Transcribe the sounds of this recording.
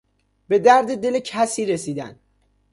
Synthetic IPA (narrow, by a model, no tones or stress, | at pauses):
be̞d̪æɾd̪ed̪e̞lecʰæsiːɾesiːd̪æ̰n